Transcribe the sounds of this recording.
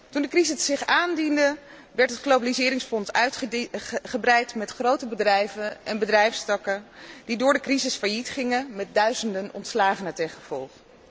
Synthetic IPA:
tundəkrizɪsːɪχaːndində | ʋɛɹtətχlowbalizɪːɾɪŋsfɔnsœɥtχχəbrɛjtmɛtχrowtəbədrɛjvənɛnbədrɛjfstɑkədidʊːɹdəkrizɪsfajitχɪŋəmɛt̚dœɥzəndənɔ̰ntslaːχənətɛχəv̥ɔ̰lˠχ

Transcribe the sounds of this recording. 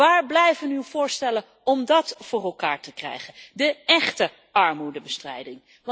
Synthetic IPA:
aːɹblɛjvənywv̥ʊːɹstɛlən | ɔmdɑtfʊːrɛlˠkaːɹtəkrɛ̰jχəndəɛχtə | ɑɹmudəbəstrɛ̰jdɪŋ

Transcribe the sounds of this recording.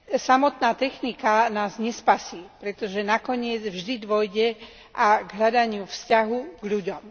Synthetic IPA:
samɔt̪naːt̪ɛxnikanaːzɲɛspasiːpɾɛt̪ɔʒɛnakɔɲɪɛd͡zvʒd̪id̪ʋɔjɟɛ | ʔaɡɦʎad̪aɲɪufscaɦuɡʎuɟɔm

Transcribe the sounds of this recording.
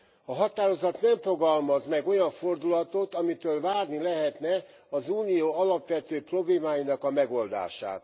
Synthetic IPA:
ɒɦɒt̪aːɾo̞zɒt̪nɛɱfo̞ɡɒlmɒzmɛɡo̞jɒɱfo̞rd̪ulɒt̪o̞t̪ɒmit̪øːlvaːrnilɛɦɛt̪nɛ | ɒzuːnijoːɒlɒpʋɛt̪øːpro̞bleːmaːjinɒkɒmɛɡo̞ld̪a̰ːʃa̰ːt̪

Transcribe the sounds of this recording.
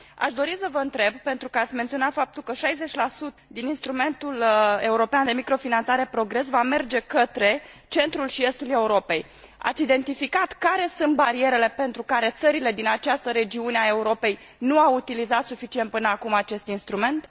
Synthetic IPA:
a̰ʃd̪o̞ɾisəvəɨnt̪ɾe̞bpe̞nt̪ɾukəat̪sʲment̪sio̞nat̪fap̚t̪ulkəʃajze̞t͡ʃʲlasut̪əd̪ininst̪ɾume̞nt̪ule̞uɾo̞peand̪e̞mikɾo̞finant̪saɾe̞pɾo̞ɡɾe̞s̬vame̞rd͡ʒe̞kət̪ɾe̞ | t͡ʃe̞nt̪ɾulʃie̞st̪ule̞uɾo̞pe̞j | a̰t̪sʲid̪e̞nt̪ifikat̪kaɾe̞sɨnt̪̚baɾie̞ɾe̞le̞pe̞nt̪ɾukaɾe̞t̪səɾile̞d̪inat͡ʃast̪əɾe̞d͡ʒiuneae̞uɾo̞pe̞j | nuawut̪ilizat̪sufit͡ʃient̪̚pɨnəakumat͡ʃe̞st̪inst̪ɾume̞nt̪

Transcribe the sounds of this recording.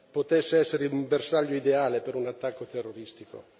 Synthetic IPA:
pot̪ɛsːeɛsːeɾeumbersaʎːoid̪eaːlepeɾunat̪ːakːot̪erːoɾist̪iko̰

